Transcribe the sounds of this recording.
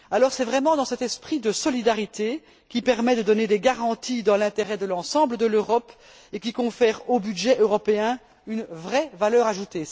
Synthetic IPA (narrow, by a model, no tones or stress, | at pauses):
alɔʁsɛvʁɛmɑ̃d̪ɑ̃sɛt̪ɛspχid̪əsɔlid̪aʁit̪e | kʲipɛʁmɛd̪əd̪ɔned̪ɛɡaʁɑ̃t̪id̪ɑ̃lɛ̃t̪eʁɛd̪əlɑ̃sɑ̃bləd̪əløʁɔp | ek̬ʲikɔ̃fɛːʁobyd̪ʒɛʔøʁɔpeɛ̃ | ynvʁɛvalœːʁaʒut̪e